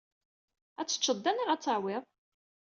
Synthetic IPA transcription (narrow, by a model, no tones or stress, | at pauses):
æt͡sːə̥t͡ʃːəd̪ːæniʁæt͡sːaʕwɪðˤ